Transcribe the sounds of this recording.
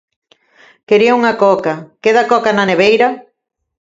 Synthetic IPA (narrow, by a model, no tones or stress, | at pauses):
keɾiɐuŋɐkɔkakeðakɔkanɐneβ̞ejɾɐ